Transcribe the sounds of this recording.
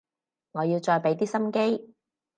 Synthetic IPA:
ŋɔː˨˧jiː˧wt͡ʃɔː˧jpe˨˥jt̪iː˥sɐ˥mke˥j

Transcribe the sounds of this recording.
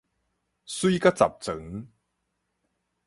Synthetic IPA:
su˥jka˥t͡sa̰˨p̚t͡sə˨˦ŋ

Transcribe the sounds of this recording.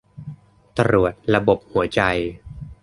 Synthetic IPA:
t̪a˧ɾu˨˩ət̪̚ɾa˧bo˨˩p̚hu˩˦ɐt͡ɕa˧j

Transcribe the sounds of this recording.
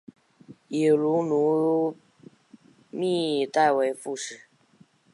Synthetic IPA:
ji˨˩lu˧˥˦nu˧˥ | mi˥˧t̪a˥˩ɪwe˧˥ɪfu˥˧ʂɻ̩˥˩˦

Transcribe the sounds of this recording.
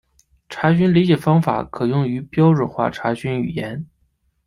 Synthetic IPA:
ʈ͡ʂʰa˧˥ɕy˥nli˧˥t͡ɕjɛ˨˩fɑ˥ŋfa̰˨˩˦kʰɤ˨˩jʊ˥˩ŋy˧˥pjɑ˥ʊɻə˥˩xwa̰˥˩ʈ͡ʂʰa˧˥ɕy˥ny˨˩jɛ˧˥n

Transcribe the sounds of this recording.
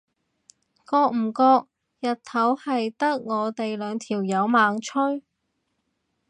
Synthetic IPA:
kɔː˧k̚m̩˨˩kɔː˧k̚ | jɐ˨t̚t̪ʰɐ˨˥whɐ˨jt̪ɐ˥k̚ŋɔː˨˧t̪e˨jlœː˨˧ŋt̪ʰiː˨˩wjɐ˨˧wmaː˨˧ŋt͡ʃʰɵ˥ɥ

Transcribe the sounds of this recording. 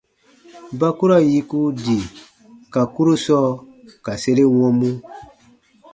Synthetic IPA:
ba˦ku˦ɾa˦ji˦ku˦di˨ | ka˨ku˦ɾu˦sɔ˦ | ka˨se˦ɾe˦wɔ̃˦mũ˦

